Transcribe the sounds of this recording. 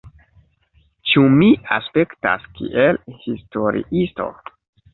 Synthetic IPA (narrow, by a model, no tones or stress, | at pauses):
t͡ʃumiaspe̞kta̰skḭʔelhisto̞ɾḭʔisto̞̰